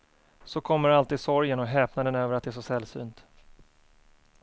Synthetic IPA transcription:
sɔkʰɔmːəɾalt̪iːd̪sɔɾjənɔɦɛːpnad̪ɛnøːvəɾat̪̚d̪ɛæʂ̬ɔsɛlːsy̰ːnt̪

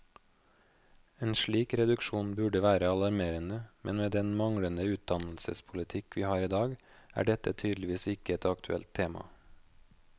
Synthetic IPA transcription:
eːnʃɭiːkɾɛd̪ʉkʃuːnbʉɖəʋæːɾəɑlɑɾmeːɾənəmɛnʋeːd̪ɛnmɑŋɽənəʉːt̪̚d̪ɑnl̩sə̰spʰʊlɪt̪ʰɪkʋiːhɑːɾiːd̪ɑːɡæ̰ːɖɛt̪ət̪ʰyːd̪lɪʋiːsɪkəɛt̪ɑkt̪ʰʉɛ̰lt̪ʰːeːmɑ̰

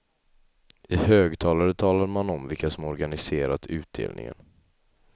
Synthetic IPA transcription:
ɪhøːɡt̪ʰɑːlaɾət̪ʰɑːlaɾmanɔmvɪlkasɔmɔɾɡanɪseːɾat̪ʉ̟ːt̪̚d̪ḛːlnɪ̰ŋə̰n

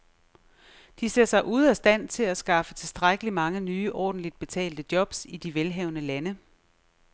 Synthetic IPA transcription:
d̥iseɐ̰sɑ̈ɪʔuð̞ˠæsd̥æn̰t͡sʰe̝læsɡ̥ɑ̈fət͡sʰe̝lsd̥ʁaɡ̥əlimɑ̈ŋənyːʔɒ̰ːd̥n̩lid̥̚b̥e̝t͡sʰɛ̰ːld̥əd̥jɒ̽b̥sid̥iʋelɦɛʊnəlænə

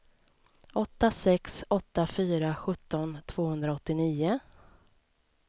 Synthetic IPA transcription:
ɔt̪ːasɛksɔt̪ːafyːɾaɧɵt̪ːɔnt̪ʰv̥oːhɵnd̪ɾaɔt̪ːɪniːʊ

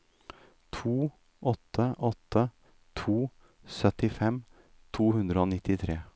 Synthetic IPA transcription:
t̪ʰuː | ʔɔt̪ʰːəʔɔt̪ʰːə | t̪ʰuː | sœt̪ɪfɛm | t̪ʰuːhʉnd̪ɾəoːnɪt̪ɪt̪ʰɾeː

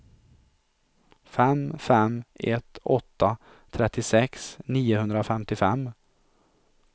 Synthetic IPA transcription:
fɛmfɛmɛt̪ːɔt̪ʰːa | t̪ʰɾɛt̪ːɪsɛksniːʊhɵnd̪ɾafɛmt̪ɪfɛmː

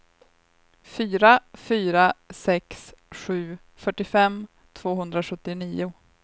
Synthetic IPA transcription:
fyːɾafyːɾasɛksɧʉ̟ː | fœʈːɪfɛm | t̪ʰv̥oːɦɵnd̪ɾaɧɵt̪ːɪniːʊ

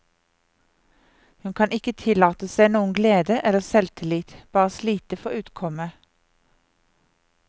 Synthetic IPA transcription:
hʉnkʰɑnʔɪkət̪ʰɪlɑːt̪əsæɪnuːən̩ɡleːd̪əʔɛləʁsɛlt̪ʰɪliːt̪b̥ɑːʁəsliːt̪əfɔʁʉːt̪kʰɔmə

